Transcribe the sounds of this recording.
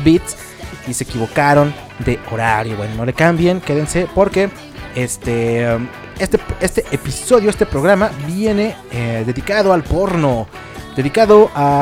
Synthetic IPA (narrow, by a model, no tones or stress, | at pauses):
bit̪s | ise̞ːkiβo̞kaɾo̞n | d̪e̞ʔoɾaɾjo̞βwenono̞le̞kambjeŋke̞ðense̞po̞ɾke̞ | est̪e | est̪eest̪eʔepiso̞ðjo̞est̪e̞pɾo̞ɣ̞ɾamabje̞ne̞ | eðe̞ðikaðoalpoɾno | d̪e̞ðikaðoʔa